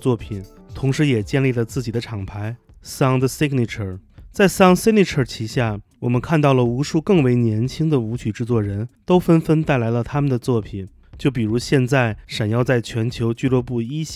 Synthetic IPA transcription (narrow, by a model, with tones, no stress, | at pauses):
t͡swɔ˥˩pʰi˨˩˦nt̪ʰʊ˧˥ŋʂɻ̩˧˥jɛ˨˩t͡ɕjɛ˥˧nli˥˩lə˩t͡sɹ̩˥˩t͡ɕi˨˩d̪ə˦ʈ͡ʂʰɑ˨˩ŋpʰa˧˥ɪ | sɑ˥ŋd̪ə˧si˥kni˨˩ʈ͡ʂʰə˨˩t͡sa˥˩ɪsɑ˥ŋsi˥k̚ni˨˩ʈ͡ʂʰə˞˨˩t͡ɕʰi˧˥ɕja˥˩wɔ˨˩mə˦nkʰa˥˧nt̪ɑ˥˩ʊlə˩u˧˥ʂu˥˧kɤ˥˩ŋwe˧˥ɪnjɛ˧˥nt͡ɕʰi˥ŋd̪ə˨u˧˥t͡ɕʰy˨˩ʈ͡ʂɻ̩˥˧t͡swɔ˥˩ɻə˧˥nt̪o˥ʊfə˥nfə˥nt̪a˥˩ɪla˧˥ɪlə˧t̪ʰa˥mə˨nd̪ə˩t͡swɔ˥˩pʰi˨˩˦n | t͡ɕjo˥˩ʊpi˨˩ɻu˧˥ɕjɛ˥˧nt͡sa˥˩ɪʂa˨˩njɑ˥˧ʊt͡sa˥˩ɪt͡ɕʰɥɛ˧˥nt͡ɕʰjo˧˥ʊt͡ɕy˥˧lwɔ˥˧pu˥˩i˥